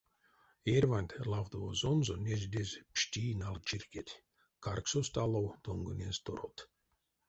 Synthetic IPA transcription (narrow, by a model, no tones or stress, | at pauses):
erʲvanʲt̪ʲlˠawd̪ovozonzonʲeʒʲd̪ʲezʲpʂt̪ʲiːnalˠt͡ʃirʲkʲet̪ʲ | karksost̪alˠowt̪oŋɡɨnʲenzʲt̪oɾo̰t̪